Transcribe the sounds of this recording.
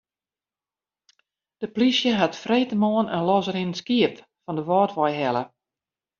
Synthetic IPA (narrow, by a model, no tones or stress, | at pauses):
d̥əplisjəɦatfreːtəmoːənənlɔzəɾinənskiəp | fɔndəʋɔːtʋɔjɦɛlˠə